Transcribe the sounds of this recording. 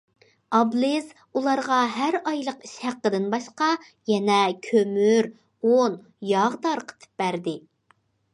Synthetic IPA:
ɑblˠɪz̥ | ulˠɑɾʁɑɦæɾɑjlˠəqiʃhæqːəd̪ɪnbɑʃqɑ | jɛnɛkʲʰømyɾ | on | jɑʁd̪ɑɾqʰə̥t̪ʰɨ̥p̚bæɾd̪ɪ

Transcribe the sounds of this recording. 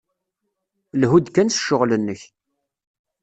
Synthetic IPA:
lɦud̪kːænsə̥ʃːʊʁlənːəç

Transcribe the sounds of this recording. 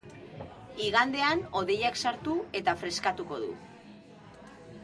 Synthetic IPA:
iɣand̪e̞ano̞ðe̞jaksaɾt̪ue̞t̪afɾe̞skat̪uko̞ðṵ

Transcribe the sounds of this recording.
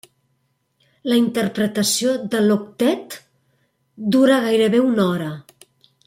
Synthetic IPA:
ləint̪ərpɾət̪əsioðəlokt̪ɛt̪ | d̪uɾaɣajɾəβeunɔɾə

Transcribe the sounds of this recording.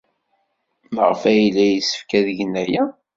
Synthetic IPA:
mʁəfæjlːæjisə̥fkæðəʝənæjæ

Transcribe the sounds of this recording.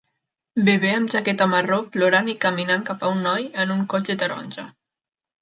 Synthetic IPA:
beβeəmʒakɛt̪amaroploɾanikəminaŋkapaunːɔjənuŋkot͡ʃət̪əɾɔ̰nʲʒa

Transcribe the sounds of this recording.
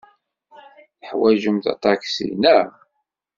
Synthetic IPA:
θəħwæʒəmt̪ɑ̰t̪ˤɑksḭnæ

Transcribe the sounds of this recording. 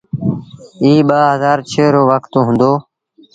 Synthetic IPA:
iːɓaːɦəzaːɾt͡ʃʰeːɾoːʋəkt̪õːɦʊ̃nd̪oː

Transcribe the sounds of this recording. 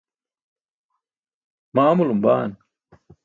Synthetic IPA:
maːmulumba̰ːn

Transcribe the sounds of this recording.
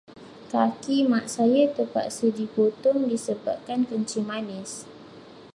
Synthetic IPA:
kakimaʔsajat̪əpa̰ʔsədipot̪ɔŋdisəba̰p̚kankəɲt͡ʃimanɪs

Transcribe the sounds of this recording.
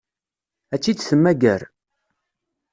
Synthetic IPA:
æt͡sːid̪səmːæɡæɾ

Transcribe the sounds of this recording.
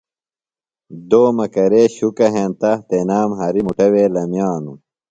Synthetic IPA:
d̪oːmɐkɐɾeːɕukɐɦẽnt̪ɐht̪enaːmɦɐɾimuʈɐweːlɐmjaːnu

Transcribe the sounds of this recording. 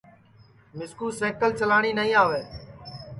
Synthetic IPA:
mɪskuːseːkəlt͡ʃəlaːɽ̃iːnəɦĩːaːʋeː

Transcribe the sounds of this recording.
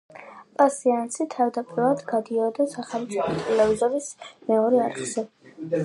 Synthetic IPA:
pʼasiansit̪ʰavd̪apʼiɾlˠad̪ɡad̪iɔd̪asaχɛlˠmt̪sʼipʰɔt̪ʼɛlɛvizɔlismɛɔɾiaɾχz̥ɛ

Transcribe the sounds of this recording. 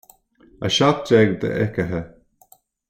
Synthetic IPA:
a̰ʃat̪̚d͡ʒɛɡd̪ə̰ʔɛkəɦə

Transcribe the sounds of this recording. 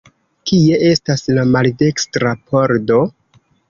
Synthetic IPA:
kie̞ʔe̞staslamalde̞kstɾapʰo̞ɾdo̞

